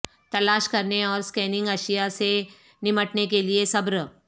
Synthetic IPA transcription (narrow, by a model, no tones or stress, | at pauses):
t̪ɐlaːʃkɐɾneɔːɾskɛːnɪ̃ŋɡɐʃijase | nɪməʈnekeliesɐbɾ